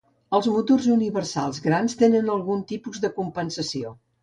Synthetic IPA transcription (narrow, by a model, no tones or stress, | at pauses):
əlˠzmut̪orzuniβərsa̰lˠzɣɾanst̪enənəlˠɣunt̪ipuzðəkumpənsəsio